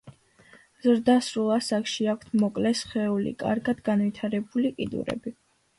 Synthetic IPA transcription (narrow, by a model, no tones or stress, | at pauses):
zɾd̪asɾulˠasakʰʃiakʰt̪ʰmɔkʼlɛsχɛulḭkʼa̰ɾɡad̪ɡanvit̪ʰaɾɛbulikʼḭd̪ṵɾɛ̰bi